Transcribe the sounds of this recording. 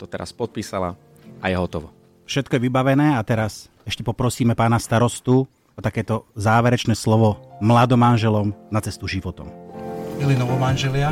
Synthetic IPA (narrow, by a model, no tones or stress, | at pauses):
t̪ɔt̪ɛɾa̰spɔt̪̚piːsala̰ | ʔajɛɦɔt̪ɔʋɔ | fʃɛt̪̚kɔjɛʋibaʋɛnɛːat̪ɛɾas | ɛʃcɛpɔpɾɔsiːmɛpaːnast̪aɾɔst̪u | ɔt̪akɛːt̪ɔzaːʋɛɾɛt͡ʃnɛːslɔʋɔmlad̪ɔmanʒɛlɔmnat͡sɛst̪uʒiʋɔt̪ɔ̰mmilinɔʋɔmanʒɛlɪa